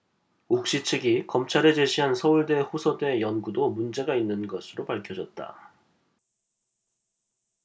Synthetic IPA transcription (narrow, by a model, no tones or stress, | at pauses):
uk̚ɕ͈it͡ɕʰɯɡikʌmt͡ɕʰaɾed͡ʑe̞ɕʰiɦansʰʌuɭde̞ɸosʰʌde̞jʌnɡudomund͡ʑe̞ɡainːɯnɡʌsʰɯɾopaɭkʰjʌd͡ʑʌt̚t͈a̰